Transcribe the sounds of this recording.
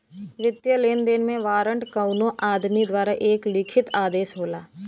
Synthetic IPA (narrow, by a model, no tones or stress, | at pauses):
ʋɪt̪jəleːnd̪eːnmẽʋaːɾə̃ɳʈkəʊnõʔaːd̪mid̪waːɾaʔeːklɪkʰɪt̪aːd̪eːʃɦoːlaː